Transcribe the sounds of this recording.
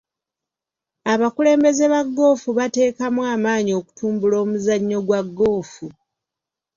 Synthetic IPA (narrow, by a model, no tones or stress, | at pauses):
aβakule̞ːmbe̞ze̞βaɡːo̞ːfuβate̞ːkamwaːmaːɲio̞ku̥tʰuːmbulo̞ːmuzaɲːo̞ɡwaɡːo̞ːfu